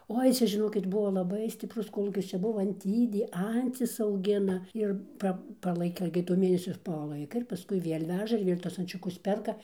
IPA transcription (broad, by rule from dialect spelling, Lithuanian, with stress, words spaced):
ˈoːɪ ˈt͡sʲɛ ʒʲɪˈnoːkʲɪt ˈbuɔ lˠɐˈbɐɪ sʲtʲɪpˈrʊs ˈkoːlˠuːkʲɪs ˈt͡ʃʲɛ ˈbuɔ ɐnʲˈtʲiːdʲeː ˈɐnʲt͡sʲɪs ɐʊˈɡʲɪnɐ ˈɪr ˈpɐ pɐˈlˠɐɪkɐ ɪɡʲɪ toː ˈmʲeːnʲɛsʲoː pɐˈlˠɐɪkɐ ɪr pɐˈskʊɪ ˈʋʲiɛlʲ ˈʋʲæːʒɐ ɪr ˈʋʲiɛlʲ tuɔs ɐnʲt͡ʃʲʊˈkʊs ˈpʲɛrkɐ